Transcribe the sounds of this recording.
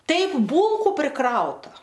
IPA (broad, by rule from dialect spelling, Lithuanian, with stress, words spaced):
ˈtɐɪp ˈbuːlˠkʊ pʲrʲɪˈkrɐʊtɐ